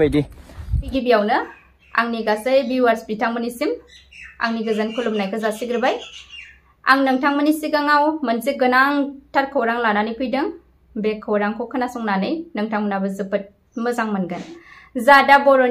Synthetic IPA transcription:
ajdibiɡibijawnɯ | a̰ŋniɡasajbiwaɾspitʰaŋmɯnisima̰ŋniɡɯzankʰulumnajkʰɯzasiɡɾɯbaj | a̰ŋnɯŋtʰaŋmənisiɡaŋawmɐnziɡɯnaŋtʰaɾkʰawɾaŋlananijkʰujdɯŋ | bekʰːawɾaŋkʰɔkʰɯnasɔŋnanɯjnɯŋtʰaŋmənabɯzɯpɯt̚ | mɯzaŋmɐnɡɯnzadabɔɾon

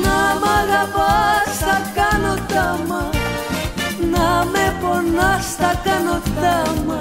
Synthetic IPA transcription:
namaɣabast̪akanot̪ama | nameponast̪akanot̪ama

